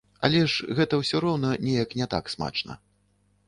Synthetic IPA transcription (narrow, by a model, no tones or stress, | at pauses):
ɐ̰lʲɛʂɣɛt̪ɐwsʲɔɾɔwnɐnʲɛjɐknʲɛt̪a̰ksma̰t͡ʂnɐ̰